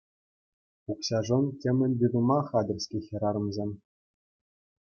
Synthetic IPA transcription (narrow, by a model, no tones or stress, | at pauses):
ukɕɑʐŏntʲemʲɘ̆nʲbʲyd̪umɑχɑd̪ɘ̆rʲsʲkʲexʲɘ̆ɾɑɾɤ̆mzʲemʲ